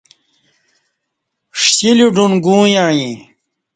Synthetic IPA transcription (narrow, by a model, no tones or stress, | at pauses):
ʂɕiluɖunɡũːjãːjĩ